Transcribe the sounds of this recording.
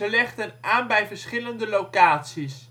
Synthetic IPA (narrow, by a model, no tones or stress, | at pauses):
əlɛχtənʔaːnbɛjvəɹsχɪləndəlowkaːtsis